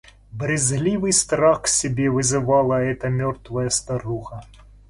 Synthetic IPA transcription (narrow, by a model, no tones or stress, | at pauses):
bɾʲɪzlʲivɨjst̪ɾaxsʲɪbʲevɨzɨvalˠəɛt̪əmʲɔrt̪vəjəst̪ɐɾuɣə